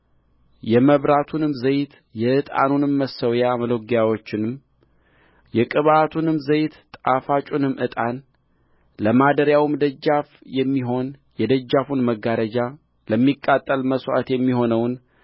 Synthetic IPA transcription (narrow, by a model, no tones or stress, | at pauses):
jɛməβɾat̪ʰunɨmzəjt̪ | jɛʔɨt̪ʼa̰nunɨmːəsːəwjaməloɡjawo̞t͡ʃːɪnɨm | jɛkʼɨβat̪ʰunɨmzəjt̪ːʼafat͡ʃʼunɨmʔɨt̪ʼan | ləmad̪əɾjawmd̪əd͡ʒːafjɛmːiɦo̞njɛd̪əd͡ʒːafunməɡːaɾəd͡ʒa | ləmːikʼːat̪ʼːəlməswʔa̰t̪jɛmːiɦo̞nəwn